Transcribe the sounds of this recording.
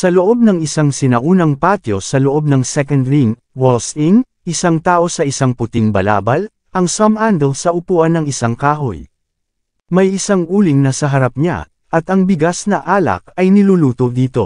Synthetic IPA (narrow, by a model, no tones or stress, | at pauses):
sɐloʔo̞b̚nɐŋɪsaŋsɪnɐʔuːnɐŋpaːt̪jo̞̰sɐloʔo̞b̚nɐŋsɛkɐnd̪ɾiŋ | wolsiŋ | ɪsaŋt̪aːʔo̞sɐʔɪsaŋpʊt̪ɪŋbɐla̰ːbɐl | ʔɐŋsɐmand̪ɛlsɐʔʊpuːʔɐnːɐŋɪsaŋkaːɦo̰j | mɐjɪsaŋʔuːlɪŋnɐsɐɦɐɾap̚ɲa̰ | ʔɐt̪ɐŋbɪɡasnɐʔaːlɐ̰k̚ɐjnɪluːluːt̪od̪iːt̪o̞̰